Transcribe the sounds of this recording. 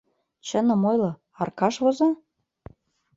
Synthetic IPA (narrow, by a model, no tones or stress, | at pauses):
t͡ɕə̆nɤ̆mojlɤ̆ | ɑrkɑʃβozɑ